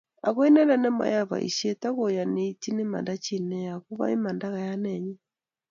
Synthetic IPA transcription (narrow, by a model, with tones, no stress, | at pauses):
a̰˨ɣo˦i˦nɛ˦na˦nɛ˦ma̰˦ja˦βa̰˨ḭ˨ʃie˦ta˦ɣo˨ja˨ne˦iti˦ne˦ma̰˨nda˦t͡ʃi˦nɛ˦ja˨ɣu˦βa̰˦i˦ma˨nda˦ɣa˨ja˦nɛɲɛ˦